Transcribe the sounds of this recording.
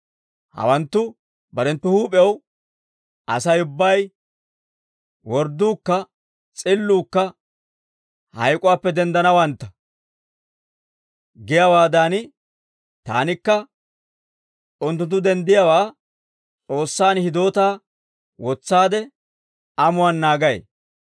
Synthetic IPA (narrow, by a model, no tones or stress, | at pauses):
hɐ̰wɐnt̪ːʊ | bɐɾɛnt̪ːʊhuːpʼɛw | ʔɐ̰sɐjʊbːɐj | wɔɾd̪uːkːɐ | t͡sʼɪlːuːkːɐ | hɐ̰jkʼʊwaːpːɛd̪ɛnd̪ɐnɐwɐnt̪ːɐ̥ | ɡɪjawaːd̪aːnɪ | t̪a̰ːnɪkːɐ | ʊnt̪ːʊnt̪ːʊd̪ɛnd̪ɪjawaː | t͡sʼo̞ːsːaːnhɪd̪o̞ːt̪aː | wɔt͡sːaːd̪ɛ | ɐmʊwaːnːaːɡɐjḛ